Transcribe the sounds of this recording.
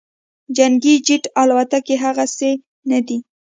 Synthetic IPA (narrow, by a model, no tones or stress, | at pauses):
d͡ʒaŋɡid͡ʒiʈɑlwat̪akeɦaɣase | nad̪i